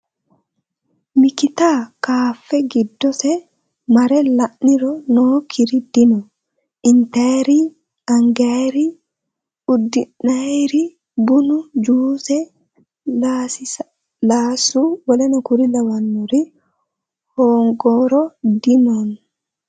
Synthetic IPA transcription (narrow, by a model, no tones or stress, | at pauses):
mikit̪aːkaːfːɛɡid̪ːɔsɛ | mɐɾɛlɐʔniɾɔnoːkʰiɾid̪̥inɔ | ʔɪnt̪ajɾi | ɐŋɡaɾi | ud̪ːinːajɾi | bunud͡ʒuːsɛ | lasɪ | laːsuwlɛnɔkuɾilɐwɐnːuɾi | hoːŋɡɔːɾɔd̪imɔn